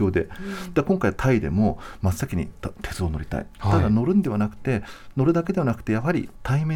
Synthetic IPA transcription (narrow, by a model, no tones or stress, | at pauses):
o̞ːd̪e̞̰d̪̥akõŋkaiat̪ʰaid̪e̞̰mo̞masːakʲiɲ̟ḭt̪ʰe̞t͡sɨono̞̰ɾʲit̪a̰ḭt̪ad̪ano̞ɾɯ̟̃nd̪e̞βanakɯ̟̥t̪e̞no̞ɾɯ̟d̪aked̪e̞βanakɯ̟̥t̪ejaɦaɾʲḭt̪ʰaime